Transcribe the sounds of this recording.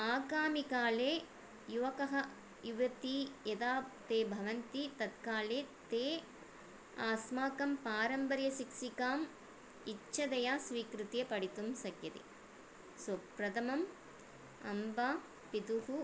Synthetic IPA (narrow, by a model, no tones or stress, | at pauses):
aːkaːmikaːleː | juʋɐkɐɦɐ | iʋɐt̪ijɐd̪aːpt̪eːbʱɐʋɐnt̪it̪ɐt̪kaːleːt̪eː | aːsmaːkɐmpaːɾɐmbɐɾjɐsikʂikaːm | it͡ʃːɐd̪ɐjaːsʋiːkɾut̪jepɐɽit̪umsɐkjɐt̪ḛ | sɐpɾɐd̪ɐmɐm | ɐ̰mba | pid̪uɦu